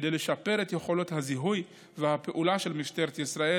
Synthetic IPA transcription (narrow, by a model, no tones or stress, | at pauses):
dejle̞ʃape̞ʁet̪jeχolo̞thaziɦuj | vehape̞ʔulaʃe̞lmift̪e̞ʁet̪jisʁae